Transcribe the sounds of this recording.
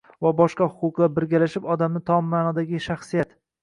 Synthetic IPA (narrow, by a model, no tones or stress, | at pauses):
vabɒʃqɑhʊqʊqlˠaɾbɪɾɡʲalaʃɪpɒd̪amnɪt̪ʰɒmːaːnɒd̪aɡʲɪʃaχsijat̪